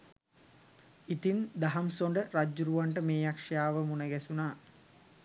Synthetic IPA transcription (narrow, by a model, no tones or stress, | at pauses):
it̪ind̪aɦɐmsoɳɖəɾad͡ʒːuɾuʋaɳʈəmeːjakʂɐjaːʋəmunəɡɛsunaː